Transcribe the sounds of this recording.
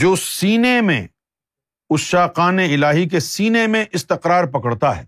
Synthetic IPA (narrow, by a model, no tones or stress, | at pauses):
d͡ʒoːsiːnemḛ̃ | ʊʃaːqaːneɪlaːɦik̬esiːnemẽʔɪst̪ɪqɾaːɾpɐkəɽt̪aɦɛ̰ː